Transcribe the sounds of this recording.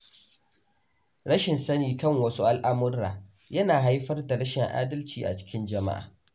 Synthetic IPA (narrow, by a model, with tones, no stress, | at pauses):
ɽɐ˦ʃɪ˨nsɐ˦niː˨kɐ˦˨ŋwɐ˦su˦ʔa˦lʔa˦mʊ˦ɾaː˨ | jɐ˦naː˨ɦa˦jɸɐ˦rda˨ɽɐ˦ʃɪ˨ŋʔa̰ː˦dɐ˦lt͡ʃiː˨ʔa̰˨t͡ʃɪ̥˦kʲɪ˦nd͡ʒɐ˨ma̰˦ʔa̰ː˨